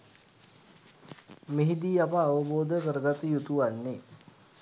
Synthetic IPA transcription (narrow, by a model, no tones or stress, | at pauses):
meɦid̪iːapəaʋəboːd̪əkəɾəɡat̪əjut̪uʋanːe